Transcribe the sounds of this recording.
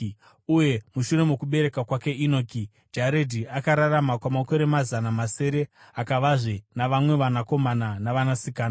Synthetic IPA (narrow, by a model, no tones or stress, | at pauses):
uje̞muʃure̞mokuɓe̞ɾe̞kakwake̞ʔinoki | d͡ʒaɾedʱiakaɾaramakwamako̞ɾe̞mazanamase̞ɾe̞ | akaʋaʐenaʋamwe̞ʋanako̞mananaʋanasikaːna